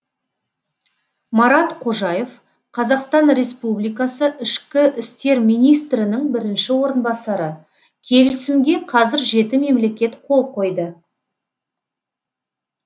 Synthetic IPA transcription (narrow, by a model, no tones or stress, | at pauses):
mɑɾɑt̪qʰo̞ʒɑje̞v | qʰɑzɑqst̪ɑnɾe̞spublijkɑsəʔɪʃkʲɪʔɪst̪e̞ɾmijnijst̪ɾɪnɪŋbɪɾɪnʃɪwo̞ɾənbɑsɑɾə | kʲʰe̞lɪsɪmɡʲe̞qʰɑzɪɾʒe̞t̪ɪme̞mle̞kʲe̞t̪qʰo̞lˠqo̞jd̪ə